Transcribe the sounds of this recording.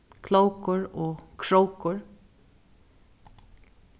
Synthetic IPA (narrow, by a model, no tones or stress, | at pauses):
kʰloʊkʊɹoːkʰɹowkʊɹ